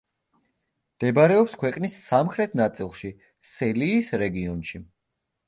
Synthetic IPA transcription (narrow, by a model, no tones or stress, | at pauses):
md̪̥ɛbɾɛɔpskʰwɛqʼnisːamχɾɛt̪ʰnat̪sʼilˠʃi | sɛliːsɾɛɡiɔnʃi